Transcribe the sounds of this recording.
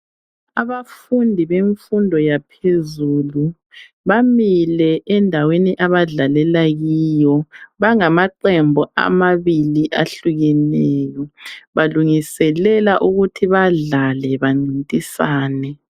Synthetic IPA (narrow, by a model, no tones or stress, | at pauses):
aβafundʱiβeɱfundʱɔjapʰezuːlu | βamilɛʔɛndʱaweniʔaβaɮalɛlaɣijɔβaŋamaǃɛmbʱɔʔa̰maβiliʔaɬuɣɛnɛːjɔβaluŋisɛlɛlaʔuɣutʰiβaɮalɛβaŋ͡ǀʱintʼisaːnɛ